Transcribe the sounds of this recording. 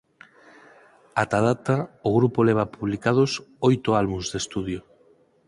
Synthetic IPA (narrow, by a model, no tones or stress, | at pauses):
at̪aðat̪aoɣɾupoleβ̞apuβlikað̞osojt̪oalβunzðest̪uð̞jo